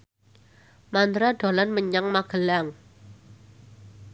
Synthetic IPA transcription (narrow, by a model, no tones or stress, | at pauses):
mand̪ɾaɖ̥o̤lanməɲaŋmaɡ̥əlaŋ